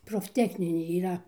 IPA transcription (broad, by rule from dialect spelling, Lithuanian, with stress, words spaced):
proːfʲˈtʲæːxʲnʲɪnʲeː iːˈrɐ